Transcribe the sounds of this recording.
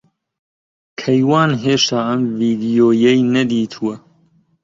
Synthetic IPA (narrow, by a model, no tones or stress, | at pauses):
kʰɐjwɑːnɦeːʃt̪aːʔɐmviːd̪ijoːjɛjnɐd̪iːt̪ʰuwɐ